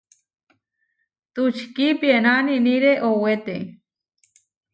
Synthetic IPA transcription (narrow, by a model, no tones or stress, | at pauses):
t̪ut͡ʃkipjenaniniɾeʔowet̪e